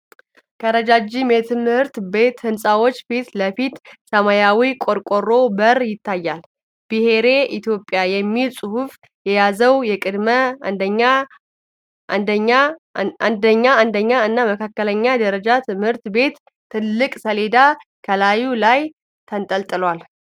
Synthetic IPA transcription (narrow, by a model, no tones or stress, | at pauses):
kʰəɾəd͡ʒad͡ʒimet̪ʰɨmhɨɾt̪be̞t̪hɨnsʼawo̞t͡ʃːfit̪ləfit̪səmajawikʼoɾkʼorːo̞bəɾjɪt̪ːajːal | b̥ɨhe̞ɾe̞ʔit̪ʰjo̞pʼːjajɛmːilsʼɨhuf | jɛjazəwjɛkʼɨd̪məd̪əɲːa | nd̪əɲːand̪əɲːaand̪əɲːaɨnːaməkʰakːələɲːad̪əɾəd͡ʒat̪ʰɨmhɨɾt̪be̞t̪ː | ɨlːɨkʼsəle̞d̪akʰəlajːulaj | t̪ʰənt̪ʼəlt̪ʼɨlwal